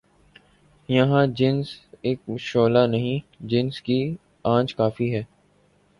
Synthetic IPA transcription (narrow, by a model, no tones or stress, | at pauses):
jɐɦãd͡ʒɪnzeːk̚ʃoːlanɐɦĩd͡ʒɪnski | ãːt͡ʃkaːfiɦɛː